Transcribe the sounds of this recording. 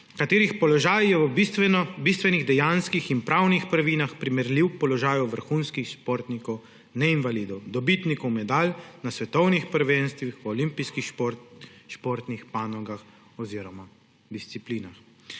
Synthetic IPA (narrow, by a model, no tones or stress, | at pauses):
kat̪eːɾixpɔlɔʒaːjjɛɛnɔbist̪ʋɛniɣd̪ɛjanskixinpɾawnixpɾaʋinaxpɾimɛɾliwpɔlɔʒaːjuwʋəɾxunskixʃpɔɾt̪nikɔw | nɛinʋalid̪ɔwd̪ɔbit̪nikɔwmɛd̪alnasʋɛt̪ɔwnixpəɾʋenst̪ʋixwɔlimpiskix | ʃpɔɾt̪nixpanɔɡax | ɔziːɾɔma | d̪ist̪sipliːnax